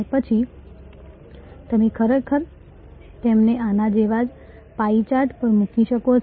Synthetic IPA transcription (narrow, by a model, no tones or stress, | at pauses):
pət͡ʃʰi | t̪əmekʰəɾekʰəɾ | t̪emneanad͡ʒeʋad͡ʒ | pait͡ʃaɾʈpəɾmũkʰiʃəko